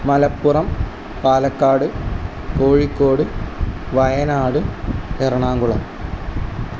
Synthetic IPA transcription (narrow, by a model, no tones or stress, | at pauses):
mɐlɐpːurɐm | paːlɐkːaːɽɨ | koːɻikːo̞ːɽɨʋɐjɐnaːɽɨerɐɳaːŋɡuɭɐm